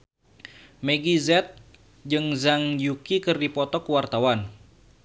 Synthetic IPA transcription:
meɡizɛt̪̚ | d͡ʒɨŋzaŋjukikɨrdipɔt̪ɔkuwart̪awan

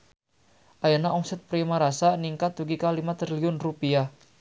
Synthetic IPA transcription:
ʔajanaɔŋsɛt̪̚pɾimaɾasaniŋkat̪̚ːuɡikalimat̪ɾiliʊnrupia

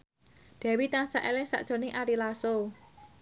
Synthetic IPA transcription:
d̪̥ɛ̤wit̪aŋsaʔɛlɪŋsa̰ʔʒ̥o̤nɪŋʔaɾilaso

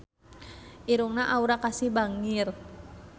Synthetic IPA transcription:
ʔiɾuŋnaʔauɾakasihbaŋir

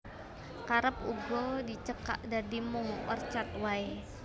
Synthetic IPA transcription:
kaɾəp̚uɡɔdit͡ʃəka̰ʔdadimʊŋɔ̰rt͡ʃat̪̚wae

